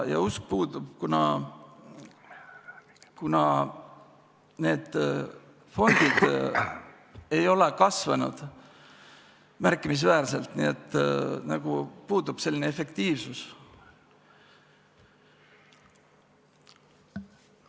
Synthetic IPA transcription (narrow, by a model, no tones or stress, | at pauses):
jɑ̰usk̚puːd̪ub̥̚kunɑ | kunɑ | ne̞ːd̪̥ | fo̞nd̪̥id̪̥ | e̞jo̞lekɑsvɑnṵd̪̥ | mærkːˑimis̬væːrse̞lt̪nḭe̞t̪ːnɑɡ̥upuːd̪ub̥se̞lːineefe̞kt̪iːvsus